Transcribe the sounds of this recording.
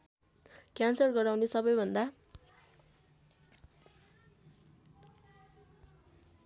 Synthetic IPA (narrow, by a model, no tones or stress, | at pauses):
kjansʌrɡʌɾawnesʌbʌjbʱʌnd̪a